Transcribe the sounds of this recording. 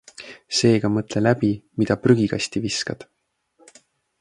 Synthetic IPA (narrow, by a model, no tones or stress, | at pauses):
se̞ːɡ̥ɑmɤt̪ˑle̞læbimid̪̥ɑpryɡ̥iɡ̥ɑ̰st̪iviskɑd̪̥